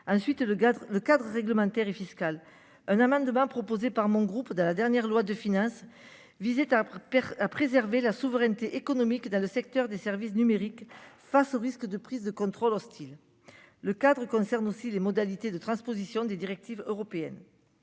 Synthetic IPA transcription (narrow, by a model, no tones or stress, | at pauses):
ɑ̃sɥit̪ləkad̪ʁəʁɛɡləmɑ̃t̪ɛʁefiskal | ɛ̃namɑ̃d̪əmɑ̃pχɔpozepaʁmɔ̃ɡʁupd̪ɑ̃lad̪ɛʁnjɛʁlwad̪əfinɑ̃s | vizet̪aapχezɛʁvelasuvəʁɛnt̪eʔekɔnɔmikd̪ɑ̃ləsɛk̚t̪œʁd̪esɛʁvisnymeʁik | fasoʁiskəd̪əpχizd̪əkɔ̃t̪χɔlɔst̪ʰil | ləkad̪ʁəkɔ̃sɛʁnosilemɔd̪alit̪ed̪ət̪χɑ̃spozisjɔ̃d̪ed̪iʁɛk̚t̪ivøʁɔpeɛ̰n